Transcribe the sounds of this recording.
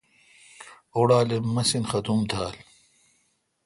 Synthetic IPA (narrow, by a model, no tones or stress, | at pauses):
oɽaːlemɐsinxɐt̪umd̪ʰʱaːl